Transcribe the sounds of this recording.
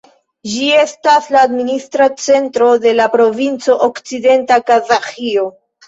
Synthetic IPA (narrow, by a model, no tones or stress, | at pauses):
d͡ʒie̞staslaːdministɾat͡se̞ntɾo̞de̞lapɾo̞vint͡so̞ʔokt͡side̞ntakazaxio